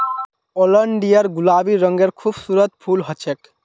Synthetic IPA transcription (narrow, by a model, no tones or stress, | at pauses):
ɔlɔɳɖijaɾɡulabiːɔŋɡeɾkʰubsuɾot̪pʰulɦɔt͡ɕʰek